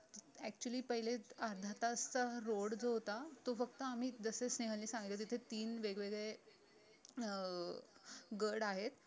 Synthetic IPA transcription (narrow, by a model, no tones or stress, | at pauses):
æk̚t͡ɕuəliːpəɦileaɾd̪ʱat̪aəst͡saɾoɽd͡zowt̪at̪ofəkt̪əam̤iːd͡zəsesneɦəlliːsãŋɡət̪et̪̬it̪ʰet̪iːnʋeɡʋeɡɭe | ɡəɾɽaɦet̪